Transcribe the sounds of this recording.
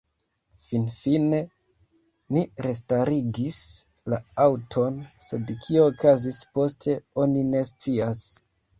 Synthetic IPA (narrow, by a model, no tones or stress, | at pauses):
finfine̞ | niɾe̞s̬taɾiɡis | laawtʰonse̞dkʰio̞ːkʰazispo̞stʰe̞o̞nine̞st͡sias